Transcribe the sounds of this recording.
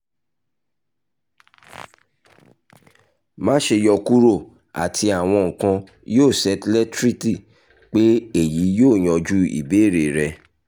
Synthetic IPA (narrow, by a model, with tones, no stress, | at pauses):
mã˦ʃe˧jɔ˧ku˦ɾo˦˨ | a̰˨tʰi˧a˨w̃ɔ̃˧ŋ̩˨kã˧ | joː˦˨sɛ˨˦tlɛ˦tɾi˦ti˦˨ | k͡pe˦e˦˨ji˨˦joː˦˨j̃ɔ̃˨˧d͡ʒu˦ḭ˨be˨˦˨ɾe˨ɾɛ˧